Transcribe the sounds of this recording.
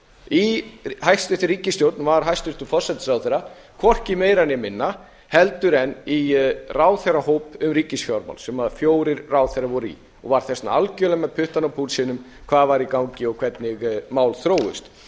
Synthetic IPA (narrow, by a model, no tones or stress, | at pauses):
ihajst̪ʏhθɪɾiːcɪst̪jowɾt̪nvaɾɦajst̪ʏht̪ʏfɔ̥sɛt̪sawθejɾa | kʰvɔr̥cɪmejɾanjɛmɪnːa | hɛlt̪ʏɾɛniraːwθɛɾahoːwpʏmɾiːcɪsfjawɾma̰wlsɛmaðfjoːwɾɪɾːaːwθeɾravɔɾḭ | ɔɣvaɾ̥θɛsnaalcœlɛmɛðpʰʏht̪anapʰulsɪnʏm | kʰv̥aːðvaɾikawŋcɪɔɣkʰvɛt̪nɪɣmaːwlθɾoːwʏ̰st̪